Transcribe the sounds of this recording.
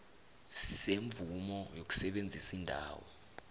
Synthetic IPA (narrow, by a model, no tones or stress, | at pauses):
sseɱbvumɔjok̬u̥sɛɓend͡zʱisindʱa̰ːwɔ̰